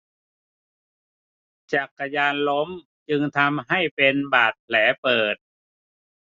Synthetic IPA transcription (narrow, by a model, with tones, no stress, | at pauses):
t͡ɕa˨˩kːa˧jaː˧nlo˧˦˥m | t͡ɕɯ˧ŋt̪ʰa˧mɦa˥˩jpe˧nbaː˨˩t̪̚pʰlɛː˩˦pɤː˨˩t̪̚